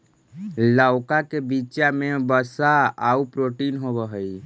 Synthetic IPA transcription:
ləwkakebiːt͡ʃamebəsaaupɾoʈinɦobəɦəj

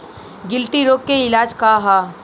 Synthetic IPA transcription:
ɡɪlʈiɾoːkːeɪlaːd͡ʒkaɦaː

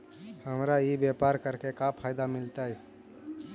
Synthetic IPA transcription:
həmɾajibjepaɾkəɾkekapʰajd̪amɪlt̪aɛ

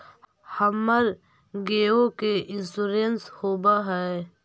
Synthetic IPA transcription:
hɐmːəɾ | ɡeːokeʔɪsuɾenshoːbaɦɛː

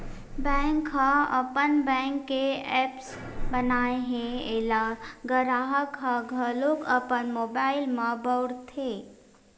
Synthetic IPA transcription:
bɛ̃ŋkɦaəpənbɛ̃ŋkːeɛːps | bənaːeɦẽelaɡəɾaːɦəkɦaɡʱəlokəpənmoːbaːɪlmãbəwɽt̪ʰe

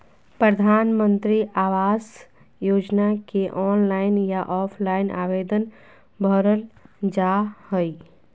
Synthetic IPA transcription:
pɾəd̪ʱaːnmə̃nt̪ɾiʔaːʋaːs | joːd͡ʒnakeʔɔːnlaːɪnjaʔɔːpʰlaːɪnʔa̰ːʋeːd̪ən | bʱɔɾəld͡ʒahoi

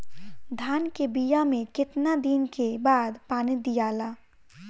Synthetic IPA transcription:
d̪ʱaːnkebijamẽkɪt̪nad̪inkebaːd̪paːnid̪ijaːlaː

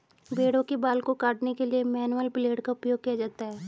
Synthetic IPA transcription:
beːɽõkebaːlkokaːʈnekeliemɛːnuəlpɪleːɖkaʊpjoːɡ̚kijad͡ʒaːt̪aɦɛː

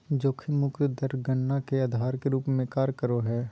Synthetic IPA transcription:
d͡ʒoːkʰimʊkt̪d̪əɾɡəɳːakead̪ʱaːɾkeɾuːpmẽkaːɾkəɾoɦɛː

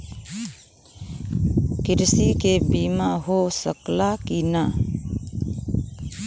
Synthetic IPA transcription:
kɪɾsikebiːmaɦosəklakina

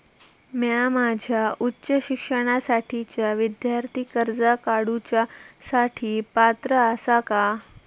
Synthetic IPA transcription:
mjamad͡ʑʱjautːɕəɕikʂəɽ̃asaʈʰit͡ɕjaʋid̪jaɾt̪ʰikəɾd͡zakaɽut͡ɕasaʈʰiːpat̪ɾəəsaka

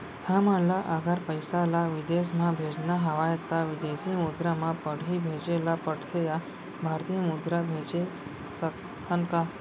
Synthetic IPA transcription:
hãmalaʔəɡəɾpəjsalaʋɪd̪esmãbʱed͡ʒnaɦəʋajt̪aʋɪd̪esimud̪ɾamãpəɽibʱed͡ʒelapəɽt̪ʰeja | bʱaɾt̪ijəmud̪ɾabʱet͡ʃe | sək | t̪ʰənka

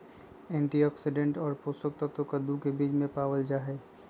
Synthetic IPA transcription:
ɛ̃ːɳʈiɔːksɪɖẽɳʈɔːɾpoːsəkt̪ət̪okəd̪ũkebiːd͡ʒmẽpaːwəld͡ʒaːɦɛː

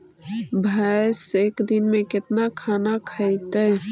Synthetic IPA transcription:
bʱaseːkd̪ɪnmẽkɪt̪nakʰaːnakʰəit̪ɛ

